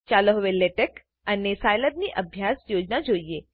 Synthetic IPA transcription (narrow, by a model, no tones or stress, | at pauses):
t͡ʃaləɦʋeleʈək | ənesajləd̪̚niːʔəbʱjasjod͡ʑnad͡ʒoije